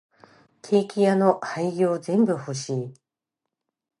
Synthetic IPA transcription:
kʰe̞ːkʲijano̞haiɡʲoːzẽ̞mbɯ̟hoɕiː

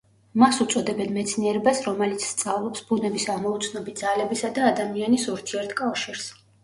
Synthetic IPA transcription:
masut̪sʼɔd̪ɛbɛnmɛt̪sʰniɛɾɛbasɾɔmɛlit̪sʰst̪sʼavlˠɔpsbunɛbisaʁmɔut̪sʰnɔbit̪d̪zalɛbisad̪aːd̪amianisuɾt̪ʰiɛɾt̪ʰkʼafʃiɾs

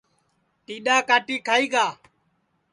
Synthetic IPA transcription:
t̪iːɗaːkaːʈiːkʰaːiːɡaː

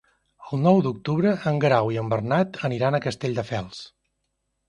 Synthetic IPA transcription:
əlˠnɔwd̪uk̚t̪uβɾəʔəŋɡɾawiəmbərnat̪əniɾanəkəst̪eʎʲd̪əfɛlˠs

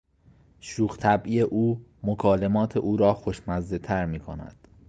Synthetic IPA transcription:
ʃuːɣt̪ʰæbʔije̞ʔuːmokʰɒːle̞mɒːt̪ʰe̞ʔuːɾɒːxoʃmæzd̪e̞t̪ʰæɾmiːkʰonæ̰d̪̥

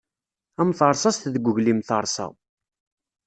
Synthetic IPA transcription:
æmθəɾˤsˤɑst̪ðəɡʷːʊʝlimθəɾˤsɑ̰

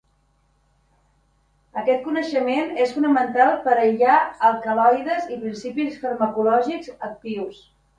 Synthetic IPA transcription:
əkɛt̪̚kunəʃəmenesfunəmənt̪alˠpəɾəʎaəlˠkəlɔjðəzipɾinsipisfəɾməkulɔʒikzək̚t̪iws

